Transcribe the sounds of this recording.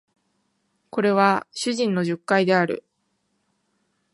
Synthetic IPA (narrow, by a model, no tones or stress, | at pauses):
ko̞ɾe̞β̞aɕɨʑĩnːo̞ʑɨkːaid̪e̞aɾɯ̟̰